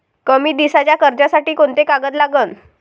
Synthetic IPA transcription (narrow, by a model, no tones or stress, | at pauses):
kəmiːd̪isat͡ɕjakəɾd͡ʑasaʈiːkoɳt̪ekaɡət̪laɡən